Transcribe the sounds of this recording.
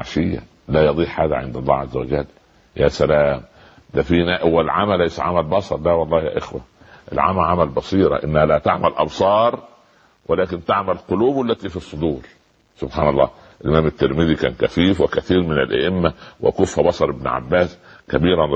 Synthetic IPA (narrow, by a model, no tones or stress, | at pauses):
a̰ʃɪjːæ̰ | læːjɑd̪ˤiːħħaːd̪æ̰ʕḛnd̪ɑlˤːɑ̰ːʕazːæwæd͡ʒælː | jæːsælæːm | d̪æfinæʔwælʕamælːæjsæʕamælbɑsˤɑɾˤlæwɑlˤːɑːhjæ̰ːʔexwæ̰ | ʔḛlʕa̰mæʕamælbɑsˤiːɾˤɑ̰ʔɪnːæhælæːt̪aʕmælʔɑbsˤɑːɾˤ | wælæːkɪnt̪aʕmælqoluːbʔælːæt̪iːfisˤːod̪uːɾ | sʊbħaːnɑlˤːɑ̰ː | ʔɪlʔɪmæːmɪt̪ːeɾmɪðikæ̰ːnkæfiːfwɪkæθiːɾmɪnælʔæ̰ʔɪmːæwʔɪ̰kʊfhæbɑsˤɑɾˤɪbn̰ʕa̰bːæːskæbiːɾˤan